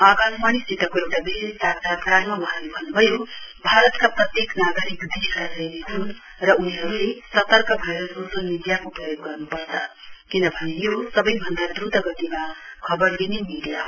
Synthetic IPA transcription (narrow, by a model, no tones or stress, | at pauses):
aɡammaɽ̃isit̪ʌkoewʈabisad͡zʰʱakɾajmabʌɦnibʱʌnubʱʌjobʱaɾʌt̪kapɾʌt̪jeknaɡəɾikd̪ʱiɾasʌjneɦʰun | ɾʌuniɦʌɾulesʌt̪ʌɾkʌbʱajɾososəlmiɽijakopɾʌjoɡːʌrnupʌɾt͡sʰʌ | kind̪ʌbʱʌnejosʌbʌjbʱʌnd̪ʱad̪ɾud̪ʱʌɡʌʈ̪imakʰʌbʌɾd̪inemiɽija